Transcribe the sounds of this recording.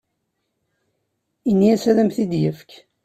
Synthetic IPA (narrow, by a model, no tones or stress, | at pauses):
inːiæsæðæmθid̪jəfk